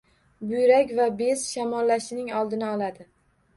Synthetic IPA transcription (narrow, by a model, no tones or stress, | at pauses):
bʊjɾakʲvabezʃamɒlːaʃɪnɪŋɒlˠd̪ɪnɪɒlˠad̪ɪ